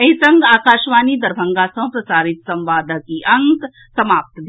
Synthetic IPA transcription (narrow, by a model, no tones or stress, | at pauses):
ɐisɐ̃ŋɡaːkaːʃʋaːnid̪ɐɾbʱɐ̃ŋɡaːsɐ̃pɾɐsaːɾɪt̪sɐ̃mʋaːd̪ʱəkiʔɐ̃ŋk | sɐmaːp̚t̪d̪ʱ